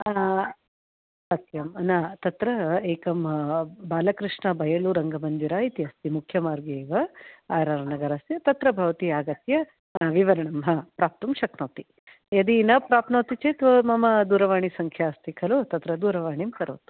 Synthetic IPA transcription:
sɐt̪jɐmnat̪ɐt̪ɾɐeːkɐmɦɐbaːlɐkɾiʂɳɐbʱɐjɐluɾɐŋɡɐmɐnd̪iɾaːit̪iɦɐst̪imukʰjɐmaːɾɡeːʋɐaːɾaːɾnɐɡɐɾasjɐt̪ɐt̪ɾɐbʱɐʋɐt̪iaːɡɐt̪jɐ | ʋiʋɐɾɐɳɐmɦɐpɾaːp̚t̪ɐmʃɐknoːt̪i | jɐd̪inɐpɾaːpnoːt̪it͡ʃet̪ʋɐmɐmɐd̪uːɾɐʋaːɳisɐŋkʰjaːst̪ikʰɐloːt̪ɐt̪ɾɐd̪uːɾɐʋaːɳimkɐɾoːt̪u̥

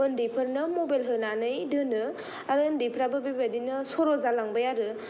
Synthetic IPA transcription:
ɯndipʰɯɾnɐmobajlɦɯnanɯjdɯnɯ | aɾɯndipʰɾabɐbibadinɐsɔɾɔzalaŋbɐjaɾɯ

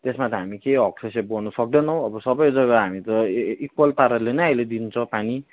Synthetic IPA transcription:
t̪esmat̪ʌɦamikeɦʌksʰesep̚ɡʌnʌsʌk̚d̪ʌnʌw̃ʌbʌsʌbʌjd͡zʌɡʌɦamit̪ʌikwʌlpaɾʌlenʌjajled̪int͡sʰʌ̃pani

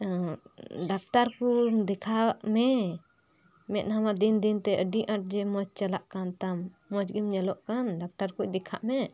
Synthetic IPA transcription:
ɖak̚ʈaɾkud̪ɛkʰaʔmɛ | mɛt̪̚hamad̪ind̪int̪ɛʔəɖiʔãʈ̚d͡ʒɛmɔd͡ʒt͡ʃəlaʔkant̪amː | ɔd͡ʒɡimɲɛlɔʔkanɖak̚ʈaɾkuc̚d̪ɛkʰaʔmɛ

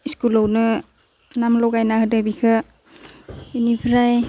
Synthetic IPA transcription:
iskulownɯ | namlɔɡajnahɯdabikʰɯ | inipʰɾaj

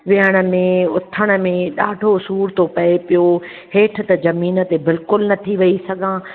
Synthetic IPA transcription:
ʋɪɦəɽ̃ə̆mẽʊt̪ʰəɽ̃ə̆mẽɗaːɖʱosuːɾt̪ʰopɐepijo | ɦeːʈʰɪ̆t̪ɐzɐmiːnət̪ebɪlkʊlnɐt̪ʰiʋɐisɐɡʱãː

